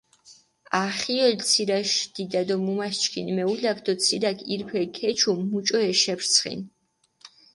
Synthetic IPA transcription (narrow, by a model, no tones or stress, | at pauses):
aχiɔlt̪sʰiɾaʃd̪̥id̪ad̪ɔmumaʃt͡ʃkʰinmɛulakʰd̪ɔt̪sʰiɾakʰiɾpʰɛkʰɛt͡ʃʰumut͡ʃʼɔɛʃɛpʰɾt̪sʰχḭn